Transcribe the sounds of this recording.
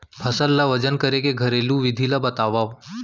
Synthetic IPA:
pʰəsəlːaʋəd͡ʒənkəɾekeɡʱəɾelũʋɪd̪ʱilabət̪aːʋaːʋ

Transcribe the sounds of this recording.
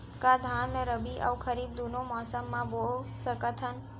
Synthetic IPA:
kad̪ʱãnmẽɾəbiʔa̰wkʰəɾib̚d̪unomɔsəmːãbolsəkət̪ʰən

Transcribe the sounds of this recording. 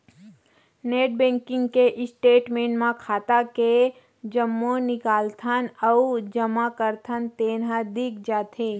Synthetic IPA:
neːʈ̚bɛ̃ːŋkɪ̃ŋɡkeʔɪsʈeːʈmẽːɳmãkʰaːt̪ake | d͡ʒəmːonɪkaːlt̪ʰənəʊd͡ʒəmakəɾt̪ʰənt̪eːnɦãd̪ɪk̚ʰd͡ʒaːt̪ʰe

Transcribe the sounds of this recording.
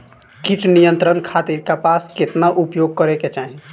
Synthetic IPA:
kiʈnijənt̪ɾənkʰat̪iɾkapasket̪naʔupjoɡ̚kəɾeket͡ʃaːɦi

